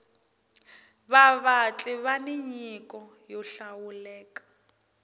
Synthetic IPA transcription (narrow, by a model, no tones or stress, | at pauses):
βaβat͡ɬʼɛβaniɲikʼɔ | jɔɬawulɛːkʼḁ